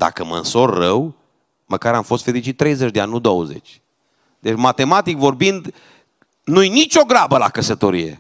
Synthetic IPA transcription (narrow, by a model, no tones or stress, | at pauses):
d̪̥a̰kəmə̰nso̞rːəw | məkaɾamfo̞st̪feɾit͡ʃit̪̚ːɾe̞jzet͡ʃʲd̪eanʲnud̪owəze̞̰t͡ʃʲ | d̪e̞t͡ʃmat̪e̞mat̪ikvo̞rbind̪ | nujnit͡ʃʲo̞ɡɾabəlakəsət̪o̞ɾije̞̰